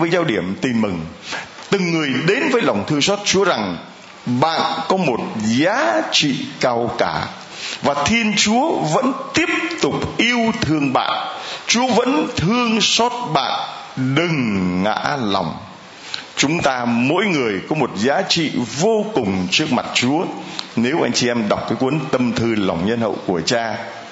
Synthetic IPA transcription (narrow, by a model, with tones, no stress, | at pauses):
əː˨˦jzaː˧wɗi˧˩əmt̪i˨˩nmɨ˨˩ŋ | t̪ɨ˨˩ŋːɨ˨˩əjɗe˨˦nvəː˨˦jla˨˩wŋ͡mt̪ʰɨ˧əŋsɔ˦˥t̚t͡ɕu˨˦əza˨˩ŋ | ɓa̰ː˧˨nkɔ˨˦mo˨˩t̚zaː˨˦t͡ɕḭ˧˨kaː˧wkaː˧˩ | vaː˨˩t̪ʰi˧ənt͡ɕu˨˦əvə̰˧˥nt̪i˦˥əp̚t̪ʊ˨˩k͡p̚ʔi˧əwt̪ʰɨ˧əŋɓa̰ː˧˨nʔt͡ɕu˨˦əvə̰˧˥nt̪ʰɨ˧əŋsɔ˦˥t̚ɓa̰ː˧˨n | ɗɨ˨˩ŋŋa̰ː˧˥la˨˩wŋ͡m | t͡ɕʊ˨˦ŋ͡mt̪aː˧mo̰˧˥jŋɨ˨˩əjkɔ˨˦mo˨˩t̚zaː˨˦t͡ɕḭ˧˨vo˧kʊ˨˩ŋ͡mt͡ɕɨ˦˥ək̚ma˨˩t̚t͡ɕu˨˦əne˨˦wʔa˧jŋt͡ɕi˧ʔɛ˧mɗa˨˩wk͡p̚kaː˨˦jkwə˨˦nt̪ə˧mt̪ʰɨ˧la˨˩wŋ͡mɲə˧nhə̰˧˨wku˧˩ət͡ɕaː˧